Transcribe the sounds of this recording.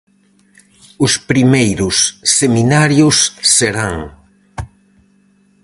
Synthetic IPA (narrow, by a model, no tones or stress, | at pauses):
ʊspɾimejɾʊsːeminaɾjʊsːeɾaŋ